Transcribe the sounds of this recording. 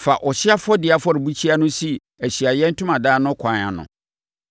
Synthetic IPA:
fa˨ʔɔ˨ɕɪ˦a˦fɔ˦dɪ˨a˨fɔ˦ɾɪ˨bu˦t͡ɕʰi˦a˦nʊ̃˦si˦˨ | æ˨ɕi˨a˨jɛ̃˦n̩˦tʰʊ̃˦mã˨daː˦nʊ̃˦kʷʰã˨˦nã̰˨nʊ̰̃˨

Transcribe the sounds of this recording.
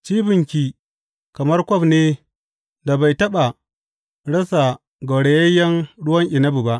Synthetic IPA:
t͡ʃiː˦bɪ˨ŋkʲi˨ | kɐ˨mɐ˦rkʷɔ˦˨ɸneː˦ | da˨ba˨jtɐ˦ɓa˨ | ɽɐ˦sa˨ | ɡo˨ɽe˨jɐ˦jːɐ˦ŋɽʊ˦wɐ˦ŋʔɪ˨nɐ˦bu˨ba˦ʔ

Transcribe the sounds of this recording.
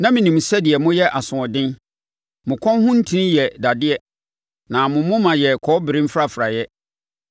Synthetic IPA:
nã˦mĩ˨nĩ˨m˨sɛ˦dɪ˨ɛ˨mʊ̃˦jɛ˦ʔa˨sʊ̃˨ɔ˨dɪ̃˦n | mʊ̃˨kʰɔ̃˦n˦hʊ̃˦n̩˦tʰi˦ĩ˦jɛ˨da˨dɪ˦ɛ˦ | nã˨mʊ̃˨mʊ̃˦mã˨jɛ˨kʰɔ˨˦bɪ˨ɾĩ˦m̩˦fɾa˦˨fɾa˨jɛ˦

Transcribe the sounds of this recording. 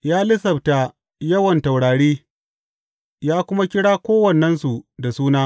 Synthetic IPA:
jaː˦lɪ˦sɐ˨bta˨ | jɐ˦wɐ˨nta˨wɽaː˨ɽiː˦ | jaː˦kʷʊ˦ma˦kʲɪ˦ɽaː˦kʷoː˦wɐ˨nːɛ˦nsu˨da˨suː˦naː˦

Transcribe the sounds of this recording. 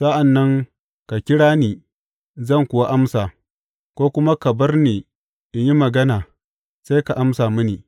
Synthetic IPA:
sa˦ʔa˨nːɐ˦ŋ | ka˨kʲɪ˦ɽaː˦neː˨ | zɐ˦˨ŋkʷʊ˨wa˦ʔa˦msaː˨ | kʷoː˦kʷʊ˦ma˦kɐ˨bɐ˦rneː˨ | ʔɪ˨ɲji˦mɐ˨ɡɐ˦naː˨ | sa˦jka˨ʔa˦msaː˨mʊ˦niː˨

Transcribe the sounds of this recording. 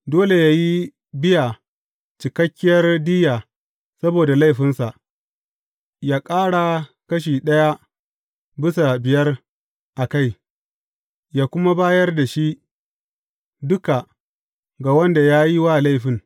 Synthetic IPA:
doː˦le˨jaː˦ji˦ | bɪ˦ja˨ | t͡ʃɪ˨kɐ˦kʲːɪ˦jɐ˦rdiː˦jaː˨ | sɐ˦boː˨da˨la˦jɸɪ˦nsa˨ʔ | jaː˦kʼaː˦ɽa˨kɐ˦ʃ̬iː˨ɗɐ˦ja˦ | bɪ˦sa˨bɪ˨jɐ˦r | ʔa˨ka˦˨j | jaː˦kʷʊ˦ma˦baː˦jɐ˦rda˨ʃi˦ʔ | dʊ˦ka˨ | ɡa˨wɐ˦nda˨jaː˦ji˦waː˦˨la˦jɸɪ˨ŋ

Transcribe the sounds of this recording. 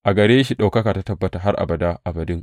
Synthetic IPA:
ʔa˨ɡɐ˨ɽeː˦ʃi˦ɗa˨wkɐ˦kaː˨ta˦tɐ˨bːɐ˦ta˨ɦa˦ɾʔa̰˨bɐ˨daː˦ʔa˨bɐ˨dɪ˦ŋ

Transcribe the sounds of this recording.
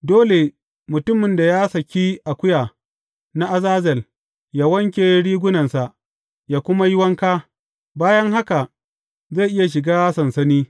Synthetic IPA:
doː˦le˨ | mʊ˨tʊ˦mɪ˨nda˨jaː˦sɐ˨kʲiː˦ʔa˨kʷʊ˦jaː˨ | na˦ʔa˨zaː˦zɐ˨l | ja˦wɐ˦ŋk̬ʲeː˨˦ɽiː˦ɡʷʊ˦nɐ˨nsa˨ʔ | jaː˦kʷʊ˦ma˦jɪ˦wɐ˦ŋkaː˦ | baː˦jɐ˦ŋɦa˦ka˨ʔ | za˦˨ʔɪ˦ja˨ʃ̬ɪ˨ɡaː˦sɐ˨nsɐ˦niː˦

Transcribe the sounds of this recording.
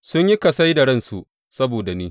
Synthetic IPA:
sʊ˦ɲji˦kɐ˨sa˦jdɐ˨ɽɐ˦nsu˨ʔ | sɐ˦boː˨da˨niː˦

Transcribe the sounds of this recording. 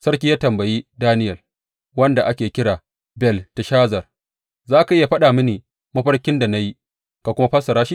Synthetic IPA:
sɐ˦ɽkʲi˦jaː˦tɐ˨mbɐ˨jiː˦daː˦nɪ˦jɐ˨l | wɐ˦nda˨ʔa˦kʲeː˨kʲɪ˦ɽaː˨ | bɛ˨lta˨ʃaː˦zɐ˨r | zaː˦ka˨ʔɪ˦ja˨ɸɐ˦ɗaː˨mɐ˦niː˨ | mɐ˦ɸɐ˦rkʲɪ˦nda˨na˦ji˦ | ka˨kʷʊ˦ma˦ɸɐ˦sɐ˨ɾaː˦ʃi˦

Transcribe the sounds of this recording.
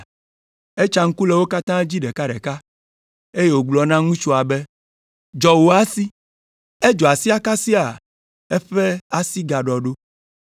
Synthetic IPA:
e˦t͡ʃa˦ŋ̩˦ku˦le˨wo˦ka˦t̪ã˦d͡ʑi˦ɖɛ˨ka˦ɖɛ̰˨ka˦ | e˦je˦wo˨ɡ͡blɔ˨nã˦ŋũ˦t͡ʃu˦a˨be˦ | d͡ʒɔ˨wo˨a˦si˦ | e˦d͡ʒɔ˨a˨si˦a˦ka˦si˦a˨ | ɛ˦ɸe˦a˦si˦ɡa˨ɖɔ˨ɖo˦

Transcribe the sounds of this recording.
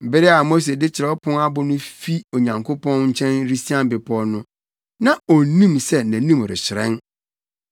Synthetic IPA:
bɪ˦ɾɪ˦a˨mo˦s̬e˨dɪ˦t͡ɕʰɪ˨ɾɛ˨˦ɔ˦pʰʊ̃˦na˦bʊ˦nʊ̃˦fi˦o˨ɲã˨ŋkʰʊ˦pʰɔ̃˦nɲ̩˦t͡ɕʰɛ̃˦nɾi˦si˦ã˦m˨bɪ˨pʰɔ˦nʊ̃˦ | nã˨o˨nĩ˦msɛ˦næ̃˨nĩ˦˨m˨ɾɪ̰˨ɕɪ˨ɾɛ̰̃˦n

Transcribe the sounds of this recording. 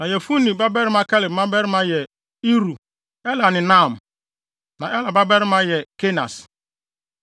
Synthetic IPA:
nã˨jɛ˨fu˦nĩ˨ba˦bɛ˦ɾi˦ma˦kɛ˦lɪ˨mã˦bɛ˦ɾi˦mã˦jɛ˨ | i˦ɾu˨ | ɛ˦la˨nɪ̃˨nã˦˨m˨ | nã˨ɛ˦la˨ba˦bɛ˦ɾi˦mã˦jɛ˨ke˦na̰˨s

